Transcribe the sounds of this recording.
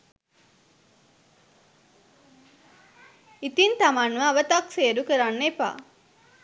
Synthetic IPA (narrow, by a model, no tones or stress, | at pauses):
it̪int̪amanʋaːʋət̪akseːɾukəɾanːepa̰